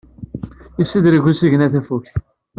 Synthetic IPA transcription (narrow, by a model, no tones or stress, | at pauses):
isːid̪ɾiʝusiʝənæθæfukθ